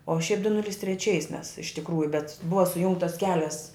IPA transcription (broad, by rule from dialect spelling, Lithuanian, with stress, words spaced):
oː ʃʲɛɪp dʊ ˈnʊlʲɪs tʲrʲɛˈt͡ʃʲɛɪs mʲɛs ɪʃ tʲɪkˈruːjʊ bʲɛt ˈbʊʋɐ sʊˈjʊŋktɐs ˈkʲæːlʲɛs